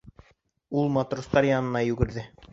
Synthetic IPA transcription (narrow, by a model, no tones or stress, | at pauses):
ulˠmat̪rost̪ɑɾjɑnɤ̆nɑjʉɡɘ̆ɾðɘ